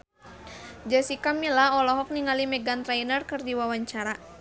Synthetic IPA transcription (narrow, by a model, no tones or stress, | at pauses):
d͡ʒasikamilaɔlɔɦɔk̚niŋalimɛɡant̪ɾainərkɨrdiwawaɲt͡ʃaɾa